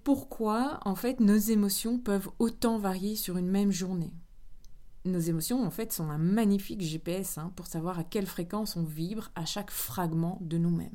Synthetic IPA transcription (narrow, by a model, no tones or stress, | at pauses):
puʁkʰwaɑ̃fɛt̪nozemɔsjɔ̃pœvot̪ɑ̃vaʁjesyʁynmɛmʒuʁne | nozemɔsjɔ̃ɑ̃fɛt̪sɔ̃ɛ̃maɲifikʒepeɛsɛ̃puʁsavwaʁakʲɛlfχekɑ̃sɔ̃vibʁaʃakfχaɡmɑ̃d̪ənumɛ̰m